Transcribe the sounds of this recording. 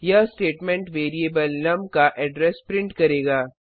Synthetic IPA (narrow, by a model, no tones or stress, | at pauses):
jɐɦsʈeːʈmɛ̃ɳʈʋeːɾieːbəlnɐmkaʔɛɖɾɛspɾɪ̃ɳʈkɐɾeːɡaː